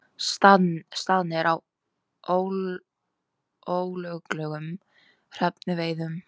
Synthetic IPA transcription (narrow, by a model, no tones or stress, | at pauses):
st̪anst̪aðnɪɾʔaw | ow | owlœɣklɛːɣʏm | r̥ɛpnɪveːjðʏm